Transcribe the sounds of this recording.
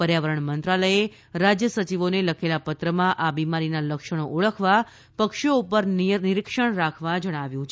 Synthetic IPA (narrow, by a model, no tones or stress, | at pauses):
pəɾjaʋəɾəɳmənt̪ɾaləje | ɾad͡ʒjəsət͡ʃiʋoneləkʰelapət̪ɾəmãʔabimaɾinaləkʃəɽ̃oʔuɭəkʰʋa | pəkʃoupəɾnnɪɾikʃəɳɾakʰʋad͡ʒəɽ̃aʋjũt͡ʃʰe